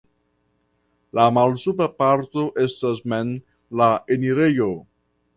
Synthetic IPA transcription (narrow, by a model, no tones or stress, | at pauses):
lamalsupapaɾt̪o̞ʔe̞stasmen | laeniɾejo